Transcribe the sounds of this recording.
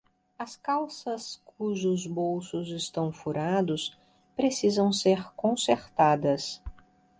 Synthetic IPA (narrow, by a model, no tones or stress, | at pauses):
ɐskawsɐskʰuʒʊzbowsʊzɪst̪ɐ̃w̃fuɾad̪ʊs | pɾesizɐ̃w̃seɾkõseɾt̪ad̪ɐs